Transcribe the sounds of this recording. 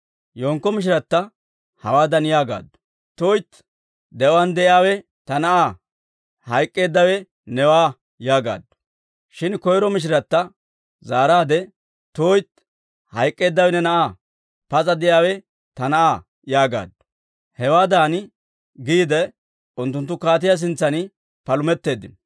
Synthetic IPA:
joːŋkːɔmɪʃ̬ɪɾɐt̪ːɐ | hɐwaːd̪ɐnjaːɡa̰ːd̪ʊ̥ | t̪oːjt̪ | d̪ɛwɐnd̪ɛjɪaːwɛ | t̪ɐnɐʔaː | hɐjkʼːe̞ːd̪ːɐwɛ | nɛwaː | jaːɡa̰ːd̪ːʊ̥ | ʃɪnkɔjɾɔmɪʃ̬ɪɾɐt̪ːɐ | zaːɾaːd̪ɛ | t̪oːjt̪ | hɐjkʼːe̞ːd̪ːɐwɛnɛnɐʔaː | pɐt͡sʼɐd̪ɛʔjaːwɛ | t̪ɐnɐʔaː | jaːɡa̰ːd̪ːʊ̥ | hɛwaːd̪aːn | ɡiːd̪ɛ | ʊnt̪̬ːʊnt̪ːʊkaːt̪̬ɪjas̬ɪnt͡sːɐnɪ | pɐlʊmɛt̪ːe̞ːd̪ːɪn

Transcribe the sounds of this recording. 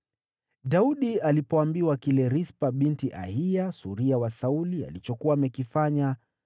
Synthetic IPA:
dauɗialipɔambiwakilɛɾispaɓintiʔa̰hiasuɾiawasaulia̰lit͡ʃɔkuaːmɛkifaɲa

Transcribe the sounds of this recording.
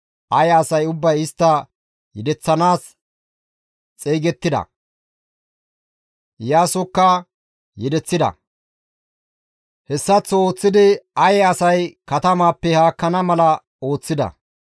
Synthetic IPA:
ʔɐjːsɐjʊbːɐjɪst̪ːɐ | jɛd̪ɛt͡sːɐnaːs | t͡sʼeːɡɛt̪ːɪd̪ɐ̰ | jaːsʊkːɐ | jɛd̪ɛt͡sːɪd̪ɐ̰ | hɛsːɐt͡sːo̞ːt͡sːɪd̪ɪɐjɛɐsɐjkɐt̪ɐmaːpːɛhaːkːɐnɐmɐlɐ | o̞ːt͡sːɪd̪ɐ̰

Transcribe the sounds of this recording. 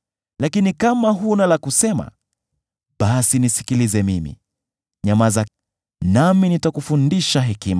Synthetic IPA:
lakinikamaɦunalakusɛma̰ | ɓasinisi̥kilizɛmimḭ | ɲamaza | naminitakufundiʃaɦɛkima

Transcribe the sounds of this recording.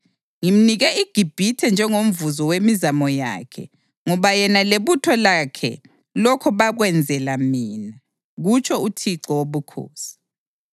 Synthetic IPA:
ŋim̩niɣɛʔiɡ̥ʱib̥ʱitʰɛnd͡ʒʱɛŋom̩vuzɔwemizamɔja̰ːkʰɛ̰ | ŋɔβajɛnaleβutʰɔlakʰɛ̰ | lɔkʰɔβaɣwɛnd͡zʱɛlamiːna | ɣut͡ʃʰʼɔutʰiǀɔwoβukʰo̰ːsi̥

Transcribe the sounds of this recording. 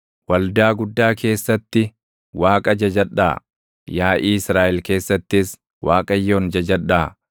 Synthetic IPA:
wɐld̪aːɡʊd̪ːaːkʰe̞ːsːɐt̪ːɪ | waːkʼɐd͡ʒɐd͡ʒɐᶑa̰ː | jaːʔiːɪsɾaːʔɛlke̞ːsːɐt̪ːɪs | waːkʼɐjːo̞ːnd͡ʒɐd͡ʒɐᶑːaː

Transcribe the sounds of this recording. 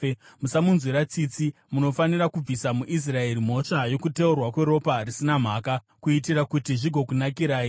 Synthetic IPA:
musamunzwiɾat͡sit͡si | muno̞fanirakub͡visamuʔis̬rae̞ɾim̤o̞ʂajo̞kute̞urwakwe̞ɾo̞parisinam̤aːka | kuitirakutiʐiɡʱo̞kunakiɾaːi

